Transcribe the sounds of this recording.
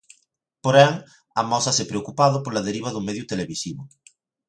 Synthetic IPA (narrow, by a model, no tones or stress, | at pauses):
poɾɛŋ | ɐmɔsasepɾeokupaðʊpoɾlað̞eɾiβ̞ɐðʊmeðjut̪eleβisiβʊ